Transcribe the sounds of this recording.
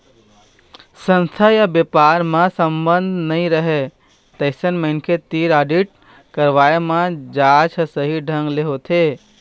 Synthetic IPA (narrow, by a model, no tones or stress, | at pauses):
sə̃nst̪ʰajabjəpaɾmãsəmbənd̪ʱnəĩɾəɦe | t̪əɪsənməɦnkʰet̪iːɾaɖiʈ̚ | kəɾʋaemãd͡ʒat͡ʃʰəsəɦiɖʱə̃ŋɡleɦot̪ʰe